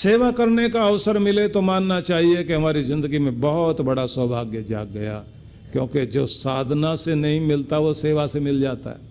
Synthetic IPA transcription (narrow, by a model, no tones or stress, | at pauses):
seːʋakɐɾnekaɐʋsəɾmɪlet̪omaːnːat͡ʃaːɦiekeɦɐmaːɾizɪ̃nd̪əɡimẽbɐɦʊt̪bɐɽaswɐbʱaːɡjəd͡ʒa̰ːɡ̚ːɐja̰ | kjõːked͡ʒoːsaːd̪ʱnasenɐɦĩmɪlt̪aʋoseːʋasemɪld͡ʒaːt̪a̰ɦɛ̰ː